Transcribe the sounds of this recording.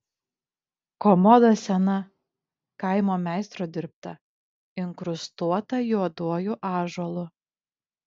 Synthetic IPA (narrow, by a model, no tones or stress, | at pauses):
kɔmɔd̪ɐsʲɛnɐ | kɐɪmoːmʲæˑɪst̪ɾoːd̪ʲɪɾp̚t̪ɐ | ɪŋkɾʊst̪uɔt̪ɐjuɔd̪uɔjuʔɑːʒɔlˠʊ